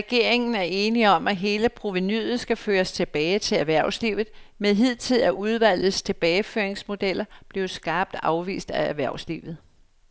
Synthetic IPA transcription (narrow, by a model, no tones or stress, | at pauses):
ʁɛɡ̥e̝ɐ̰e̝ŋn̩æɐe̝ːniɒ̽mæɦe̝ːləpʰʁo̝ʋinyðˠð̩ˠsɡ̥æføːɐst͡sʰe̝b̥ɛːɪt͡sʰe̝læɐʋæɐ̰ʊslḭʊð̩ˠmeðˠɦið̞̰ˠt͡sʰeðˠæʔuð̞ˠʋæl̰ð̩ˠst͡sʰe̝b̥ɛːɪfø̰ːɐeŋsmo̝d̥el̰ɐb̥le̝ʊsɡ̥ɑ̈ːb̥̚d̥ɑ̈ʊʋḭːsd̥ææɐʋæɐ̰slḭːʊð̞̩ˠ